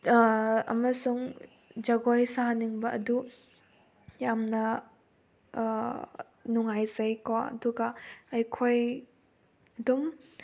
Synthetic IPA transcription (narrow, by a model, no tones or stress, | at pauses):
ɐ̰mɐsuŋ | d͡ʒɐɡojsaɦaniŋbɐɐdu | jamnɐ | nuŋajzɐjkɔɐ̰duɡaɐjkʰoj | ɐdum